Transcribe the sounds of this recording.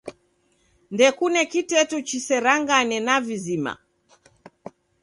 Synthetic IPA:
ndɛkunɛkitɛtut͡ʃisɛɾaŋɡanɛnavizima̰

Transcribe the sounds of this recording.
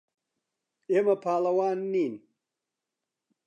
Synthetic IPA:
eːmɐpʰaːlɐwaːnːiːn

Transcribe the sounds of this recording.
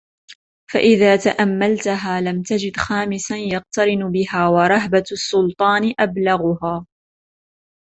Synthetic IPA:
fa̰ʔɪðaːt̪aʔamːalt̪aɦaːlamt̪ad͡ʒɪd̪xaːmɪsanjɑq̚t̪ɑɾɪnbɪɦaːwɑɾˤɑɦbasːʊlt̪ˤɑːnʔablaɣʊɦaː

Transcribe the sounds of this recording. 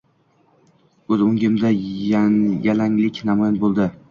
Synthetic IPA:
ɵzʊŋɡʲɪmd̪ajajalaŋlɪkʲnamɒjanbolˠd̪ɪ

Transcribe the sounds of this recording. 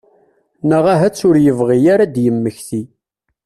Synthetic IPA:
nəʁæɦæt͡sːʊɾjəvʁijaɾad̪jəmːəçθi

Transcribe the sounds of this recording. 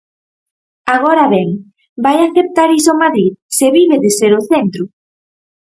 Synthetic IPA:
aɣoɾaβɛŋ | bajaθep̚t̪aɾis̬omaðɾiðseβiβeðɪseɾʊθent̪ɾʊ

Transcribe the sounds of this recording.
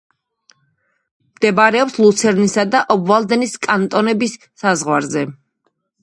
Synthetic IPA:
md̪̥ɛbaɾɛɔpslˠut̪sʰɛɾnisad̪aʔɔbvalˠd̪ɛniskʼant̪ʼɔnɛbisːazʁwaɾzɛ

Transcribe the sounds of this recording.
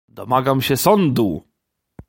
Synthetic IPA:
d̪ɔmaɡamɕɛsɔnd̪u

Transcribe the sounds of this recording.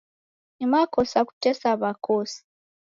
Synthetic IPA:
ɲimakosaku̥tesaβakosi̥

